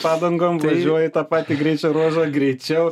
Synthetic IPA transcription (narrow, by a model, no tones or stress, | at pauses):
pɑːd̪ɐŋɡoːmʋɐʒʒʲuɔjɪt̪ɑːpɑːt̪ʲiɡɾʲɛɪt͡ʃʲɛɾoːʒɐɡɾʲɛɪt͡ʃʲɛʊ